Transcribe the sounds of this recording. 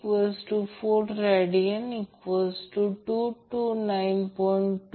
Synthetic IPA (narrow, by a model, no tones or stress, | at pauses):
kʋɔsʈufoːʈɾɛɖiə̃nikʋɔzʈuʈuːʈunãɪnpɔ̃ɪɳʈː